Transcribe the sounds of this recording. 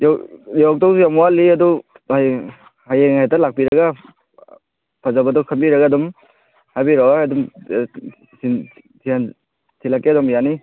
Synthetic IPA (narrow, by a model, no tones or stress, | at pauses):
jjɔk̚tɔwsjamuwaliɐdu | ha | hajeŋetalak̚piɾɐɡa | pʰazabɐdɔkʰɐmbiɾɐɡadɔm | habiɾɔwaadum | sin | tʰian | tʰilakːedɔmjani